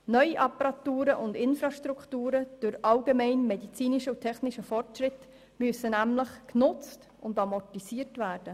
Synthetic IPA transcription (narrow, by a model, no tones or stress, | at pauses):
nœʏiʔɑpɑɾɑt̪uːɾəʔʊndɪnfɾɑʃtɾukʰtuːɾəd̥ʊɾɑlɡemɛɪnmɛdit͡siːniʃəʊtʰɛχniʃəfɔrtʃɾɪt | myəsənæmləχknʊt͡st | ʊndɑmɔrtisiːɾtvæːrd̥ə